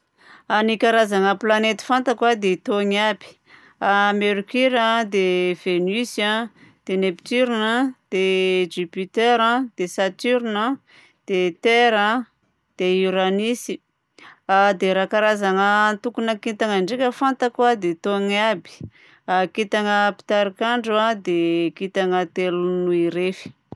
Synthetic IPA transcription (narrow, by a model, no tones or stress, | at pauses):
anikaɾazaŋəplanet̪i̥fant̪akwad̪et̪oŋabi̥ | ameɾukiɾãd̪ev̥enysad̪̥enept̪yɾinəd̪̥ed͡ʒypit̪eɾad̪̥esat̪yɾinə | d̪̥et̪eɾa | d̪̥euɾanisi | ad̪eɾakaɾazaŋət̪ukunakit̪aŋəɳɖ͡ʐikʲəfant̪akwad̪et̪oŋabi̥ | akit̪aŋəpi̥t̪aɾikaɳɖ͡ʐuad̪ekit̪aŋət̪elunuiɾefi̥